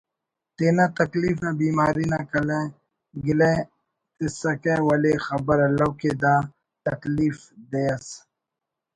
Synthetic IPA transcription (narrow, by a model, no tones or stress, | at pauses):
t̪eːnat̪ɐkliːfabiːmaːɾinakɐle | ɡilẽ | t̪ɪsɐkewɐlexɐbɐɾɐlɐwked̪ãː | t̪ɐkliːf | d̪ejɐs